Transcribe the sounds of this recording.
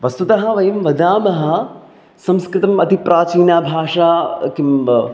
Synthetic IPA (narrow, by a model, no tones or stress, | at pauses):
ʋɐst̪ut̪ɐɦɐ̆ʋɐjɐmʋɐd̪aːmɐɦɐ̆ | sɐmskɾɪt̪ɐmɐt̪ipɾʔaːt͡ʃiːnaːbʱaːʂaːkim